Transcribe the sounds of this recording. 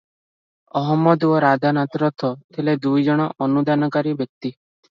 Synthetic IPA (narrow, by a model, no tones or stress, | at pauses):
ɔɦɔmːɔd̪uɔɾad̪anat̪ɾɔt̪ʰɔt̪ʰiled̪ujd͡ʒɔɽ̃ɔʔɔnud̪anɔkaɾibjɔk̚t̪i